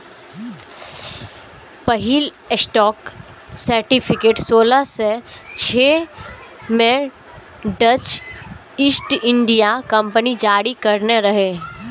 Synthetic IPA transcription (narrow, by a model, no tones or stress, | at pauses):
pɐɦil | sʈɔːk | səɾʈɪpʰɪkeːʈsoːlaset͡ʃʰeː | mẽ | ɖət͡ʃ | ɪsʈɪ̃ɳɖijakɐ̃mpənid͡ʒaːɾikɐɾneɾɐɦeː